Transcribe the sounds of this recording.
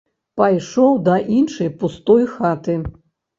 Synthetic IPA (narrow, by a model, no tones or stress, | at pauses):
pajʂɔwd̪ɐʔinʂɐjpust̪ɔjxat̪ɨ